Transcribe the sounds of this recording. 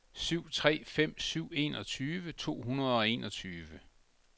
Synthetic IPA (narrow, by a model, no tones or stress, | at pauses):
syʊ̰t͡sʰʁɛ̰ːfem̰syʊ̰e̝̰ːnɒ̽t͡sʰyːʋət͡sʰo̝̰ːɦunɐð̞ˠɒ̽e̝ːnʔɒt͡sʰyːʋə